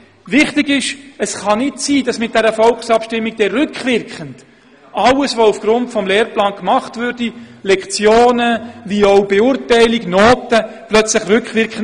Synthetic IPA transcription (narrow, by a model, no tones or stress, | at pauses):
ʋɪχtɪɡɪʃəsχɑnɪtsiːdɑsmɪt̚d̥ɛɾəfɔlksɑpʃtɪmːiɡ̚d̥ɛɾʏkχʋɪɾkχənd | ɑləsvoufɡ̥ɾʊntfɔmleːɾplɑːnkmɑχtvʏɾdilɛkχt͡sjoːnəvioʊbeʊrtɛɪliɡnoːtəplœt͡slɪχrʏkχʋɪɾkən